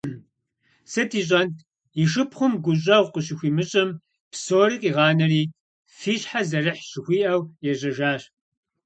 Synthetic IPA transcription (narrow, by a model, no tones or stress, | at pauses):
sɨtiːɕʼɐntʰ | iʃɨpχʷʊmɡʷʊɕ̬ʼɐʁʷqəɕ̬ɪxʷiːmɨɕʼɪm | psoːɾikʼiːʁɑːnɐriː | fiːɕħazɐrɨħɕɪxʷiːʔɐwjɛʑɐʒaːɕ